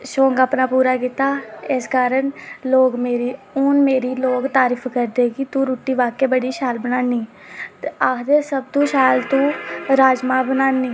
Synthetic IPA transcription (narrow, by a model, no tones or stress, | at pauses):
ʃõːŋɡaːpnaːpuːɾaːkit̪aːɪskaːɾəɳloːɡmeːɾiː | ʊnmeːɾiːloːkt̪aːɾiːpʰkəɾd̪eːkit̪ũːɾuːʈːiːʋaːkeːbəɽiːʃaːlbənaːniː | t̪eaːkd̪eːsəb̚t̪ũːʃaːjlt̪ũːɾaːd͡ʒmãːbənaːniː